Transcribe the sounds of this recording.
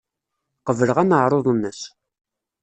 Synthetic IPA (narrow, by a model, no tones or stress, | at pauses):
qəvələʁænəʕɾˤoðˤənːəs